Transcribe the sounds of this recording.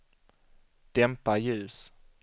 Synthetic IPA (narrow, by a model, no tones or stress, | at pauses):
d̪̥ɛmpajʉ̟ːs